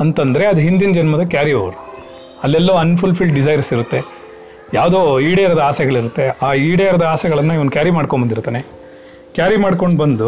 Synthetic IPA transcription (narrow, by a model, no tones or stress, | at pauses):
ɐnt̪ɐnd̪ɐɾe̞ɐd̪uɦind̪inɐd͡ʒɐnmɐd̪ɐkjaːɾiɐʋɾu | ɐlːɛlːoɐnːpʰulpʰilɖɖizɐjɾsiɾut̪ːe̞ | jaːʋd̪oːiːɽejɐɾɐd̪ɐaːsɛɡɐɭiɾut̪ːe̞aːiːɽejɐɾɐd̪ɐaːsɛɡɐɭɐnːɐiʋɐnkʲjaːɾimaːɽkombɐnd̪iɾut̪ːaːne | kjaːɾimaːɽko̞ɳɖbɐnd̪u